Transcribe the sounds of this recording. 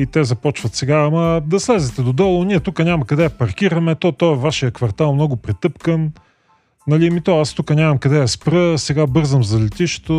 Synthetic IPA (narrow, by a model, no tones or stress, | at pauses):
it̪ɛzɐpɔt͡ʃvɐt̪sɛɡaːmɐd̪ɐslɛzɛt̪ɛd̪od̪ɔlˠʊniɛt̪ukənʲamɐkɐd̪ɛɐpɐɾk̟iɾɐmɛt̪ɔt̪ɔɛvaʃijəkvɐɾt̪alˠmnɔɡʊpɾɛt̪ɤpkən | nɐlimit̪ɔast̪ukənʲamɐmkɐd̪ɛjɐspɾəsɛɡabɤɾzəmzɐlɛt̪iʃɛ̥t̪o